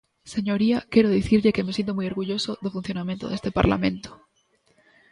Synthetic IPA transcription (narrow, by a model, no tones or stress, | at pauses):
se̞ɲo̞ɾiake̞ɾoðiθiɾʎekemes̬ent̪̬omujoɾɣuʝo̞soðofun̟θjo̞nãmjẽnt̪oðe̞st̪epa̰ɾla̰mẽ̞̰nt̪o̥